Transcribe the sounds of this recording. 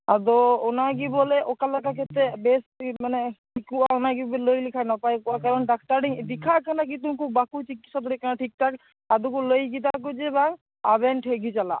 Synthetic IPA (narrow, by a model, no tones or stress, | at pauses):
ad̪oonaɡibɔleʔokalakaket̪ebesmaneʈʰikuaonaɡibelojlikʰanapajakaɾɔnɖak̚ʈaɖiŋd̪ikʰakʰanak̬it̪umkʰubakut͡ʃikːit̪ʃad̪ɔɾikʰanaʈʰik̚ʈ̪ʰak | ad̪ukulojɡid̪ak̬od͡ʒeba | a̰beɳʈɦeɡit͡ʃala̰